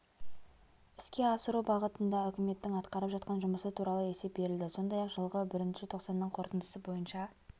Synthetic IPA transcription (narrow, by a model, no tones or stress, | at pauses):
ɪskʲe̞ɑsəɾubɑʁət̪ənd̪ɑʏkʲɪme̞t̪ːɪŋɑt̪qɑɾəpʒɑt̪̚qɑnʒʊməsət̪ʰuɾɑlˠəe̞se̞p̚be̞ɾɪld̪ɪso̞nd̪ɑjɑqʒəlˠʁəbɪɾɪnʃɪt̪ʰo̞qsɑnːəɴqʰo̞ɾt̪ənd̪ə̥səbo̞jənʃɑ